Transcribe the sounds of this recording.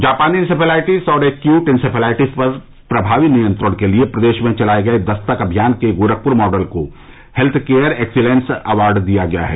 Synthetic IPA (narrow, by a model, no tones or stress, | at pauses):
d͡ʒaːpaːniɪnɪsɪpʰelaːɪʈizɔːɾeːkjuːʈɪnsɪpʰelaːɪʈizpɐɾ | pɾɐbʱaːʋinijə̃nt̪ɾəɽ̃keliepɾɐd̪eːʃmẽt͡ʃɐlaːeɡɐed̪ɐst̪əkɐbʱijaːnkeɡoːɾək̚pʊɾmɔːɖəlko | hɛlt̪ʰkeːjəɾeːksɪlẽːnsɐʋaːɾɖd̪ijaɡɐja̰ɦɛ̰ː